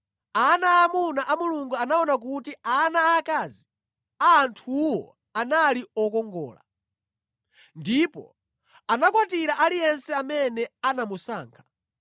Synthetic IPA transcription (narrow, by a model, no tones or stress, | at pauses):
anaːmunaʔamuluŋɡuanaɔnak̬utianaːkazi | antʰuwɔ̰ | analiɔkɔŋɡɔ̰ːla̰ | ndipɔ̰ | anakwatiɾaʔalijɛnsɛamɛnɛanamusa̰ːŋkʰḁ